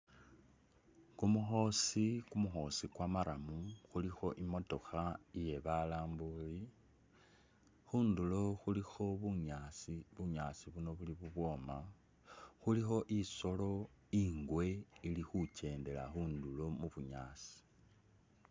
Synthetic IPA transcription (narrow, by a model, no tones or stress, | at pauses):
kumuxo̞sikumuxo̞sikwamaɾamuxulixo̞ʔimo̞to̞xaije̞βalaːmbuli | xuːndulo̞xulixo̞βuɲasiβuɲaːsiβuno̞βuliβuβwo̞ːma | xulixo̞ʔiso̞lo̞ | iːŋɡwe̞ilixut͡ʃe̞ːnde̞la̰xuːndulo̞muβuɲa̰ːsi̥